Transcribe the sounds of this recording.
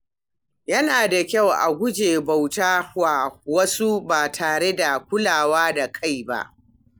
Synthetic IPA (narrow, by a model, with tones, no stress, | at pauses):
jɐ˦naː˨da˨kʲa˦˨wʔa̰˨ɡʷʊ˦d͡ʒeː˨ba˨wtaː˦waː˨wɐ˦su˦baː˨tʰaː˨ɽe˦da˨kʷʊ˦laː˨waː˦da˨kʰa˦˨jba̰˦ʔ